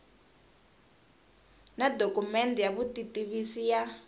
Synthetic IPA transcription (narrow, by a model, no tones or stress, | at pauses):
nadokumɛndɛjaβutitiβisija